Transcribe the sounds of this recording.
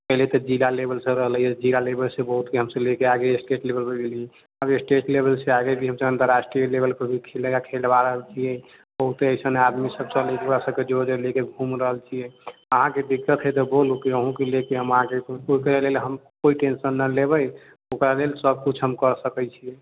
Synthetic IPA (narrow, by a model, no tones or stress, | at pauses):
pəɦilet̪ɔd͡ʒilalebəlsəbɾəɦlijed͡ʒilalebəlsebəɦut̪eɦəmsəlekeaɡeesʈeʈlebəlbeɡelie | abesʈeʈlebəlseaɡebʱiɦəmseənt̪əɾːasʈɾijəlebəlpəbʱikʰeləjakʰelbaɾəɦəlt͡ʃʰijɛ | b̥əɦut̪eəjsənad̪misəb̚sə̃lekebasəb̚ked͡ʒod͡ʒelekeɡʱumɾəɦəlt͡ʃʰijɛəɦãked̪ikːət̪ɦɛt̪ɔbolukiəɦũkelekeɦəmɦãkeoikɾalelɦəmkoiʈensənːəlebəj | okɾalelsəb̚kut͡ʃʰɦəmkəɾsəkɛt͡ʃʰijɛ